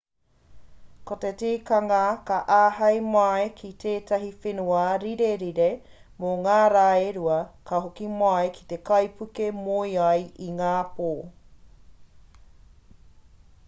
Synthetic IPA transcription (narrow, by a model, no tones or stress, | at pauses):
kotetiːkɐŋɐkɐʔaːɦɐjmɐekʰitʰeːtʰɐɦifenuɐɾiɾeɾiɾe | moŋaːɾaːeɾuɐkʰɐɦokimɐjkʰi̥t̪ekɐjpʰukemojɐjiŋaːpoː